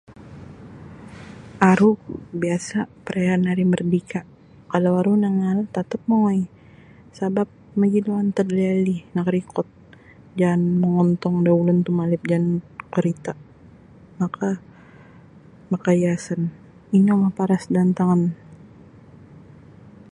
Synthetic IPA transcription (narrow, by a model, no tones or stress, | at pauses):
ʔaɾubiasapəɾʔeanaɾimərdika | kalawaɾunaŋalt̪at̪əp̚mɔŋɔj | sabap̚məd͡ʒiluant̪ədlalinakɾikɔt̪̚ | d͡ʒanməŋɔnt̪ɔŋdaulʊnt̪umalɪp̚d͡ʒankəɾit̪a | maka | makajasan | inɔŋapaɾasdant̪aŋan